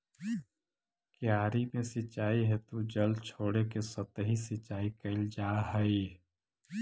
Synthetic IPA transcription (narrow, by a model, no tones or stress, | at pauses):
kjaːɾimẽsɪt͡ʃːaːiɦɛt̪ud͡ʒəlt͡ʃʰoːɽekesət̪əɦisɪt͡ʃaːikəld͡ʒaːɦəi